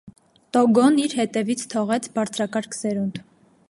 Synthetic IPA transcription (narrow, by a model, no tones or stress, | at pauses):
t̪ɔɡɔniɾhɛt̪ɛvit͡sʰt̪ʰɔʁɛt͡sʰbɑɾt͡sʰɾɑkɑɾkʰsɛɾunt̪